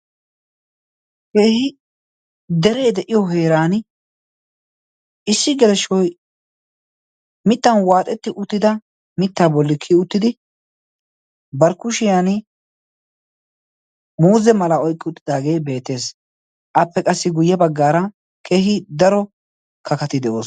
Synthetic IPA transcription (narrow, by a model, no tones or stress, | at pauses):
keːhɪ | d̪ɛɾe̞ːd̪ɛʔɪjɔɦe̞ːɾaːn | ʔɪsːɪɡɛlɛʃɔj | mɪt̪ːɐnwaːt̪ʼɛt̪ːɪʔʊt̪ːɪd̪ɐ | mɪt̪ːaːbɔlːɪkʰːɪʊt̪ːɪd̪ɪ | bɐɾkʊʃɪjaːn | muːzɛmɐlɐɔjkʼːɪʊt̪ːɪd̪aːɡe̞jbe̞ːt̪ːe̞ːs | ʔɐpːɛkʼɐsːɪɡʊjːɐbɐɡːaːɾɐ | kʰe̞ːɦɪd̪ɐɾɔ | kɐkɐt̪ɪd̪ɛʔo̞ːs